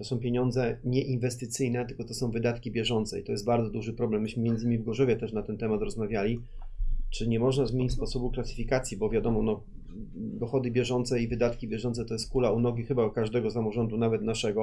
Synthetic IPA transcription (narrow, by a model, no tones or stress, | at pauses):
t̪ɔsɔ̃w̃pʲjeɲɔnd̪zɛɲɛʔinvɛst̪ɘt̪sɘjnɛt̪ɘlkɔt̪ɔsɔ̃w̃vɘd̪at̪kʲibʲjɛʐɔnt̪sɛ̰it̪ɔjɛst̪baɾd̪zɔd̪uʐɘpɾɔblɛmːɘɕmɘmʲjɛnd̪zɘɲimivɡɔʐɔvʲjɛt̪ɛʂnat̪ɛnt̪ɛmat̪ɾɔzmavʲjalʲi | t͡ʂɘɲɛmɔʐnazmʲeɲit͡ɕʲspɔsɔbuklat̪sɨ̥fʲikat̪sʲjibɔvʲjad̪ɔmɔnɔ | d̪ɔxɔd̪ɘbʲjɛʐɔnt̪sɛivɘd̪at̪kʲibʲjɛʐɔnt̪sɛt̪ɔjɛst̪kulaunɔɡʲixɘbaukaʐd̪ɛɡɔs̬amɔʐɔnd̪unavɛt̪naʂɛɡɔ